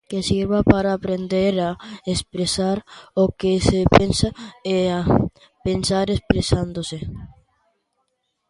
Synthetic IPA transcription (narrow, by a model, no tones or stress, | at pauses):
kesiɾβapaɾaːpɾend̪eɾaespɾesaɾokesepensaea | pensaɾespɾesand̪ose